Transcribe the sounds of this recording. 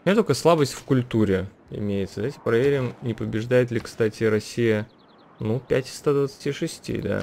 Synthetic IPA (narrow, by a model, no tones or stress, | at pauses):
mʲɪnʲet̪okəəslˠabəsʲtʲfkʊlʲt̪uɾʲɪ | ɪ̰mʲejɪt̪səd̪ɐvaɪtʲɪpɾɐvʲeɾʲɪmnʲɪpəbʲɪʐd̪ajɪt̪lʲɪkst̪atʲɪɾɐsʲːijə | nupʲætʲɪ̥st̪ad̪vət̪sɨ̥tʲiʂɨsʲtʲḭd̪a̰